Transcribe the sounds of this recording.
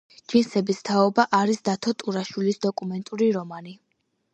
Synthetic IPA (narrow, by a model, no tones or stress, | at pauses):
d͡ʒinsɛbist̪ʰaɔbaʔaɾisd̪at̪ʰɔt̪ʼuɾaʃwilisd̪ɔkʼumɛnt̪ʼuɾiɾɔmani